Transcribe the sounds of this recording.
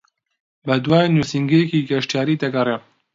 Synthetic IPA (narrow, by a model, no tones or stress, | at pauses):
bɛd̪wɑːenusiŋɡejɛkiːɡɛʃtjaːɾiːd̪ɛɡɐre